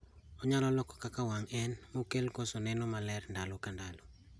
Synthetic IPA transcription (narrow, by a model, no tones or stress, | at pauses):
ɔɲalɔlɔkɔ̥kakawaŋɛnmokelkosonɛnomalɛɾndalokandalo